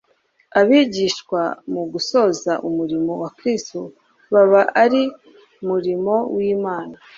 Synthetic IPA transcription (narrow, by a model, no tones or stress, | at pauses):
aβiːɟiːʃkwamuɡuso̞ːzaʔumuɾimo̞wakɾisto | βaβaʔaɾi | muɾimo̞wiːmaːna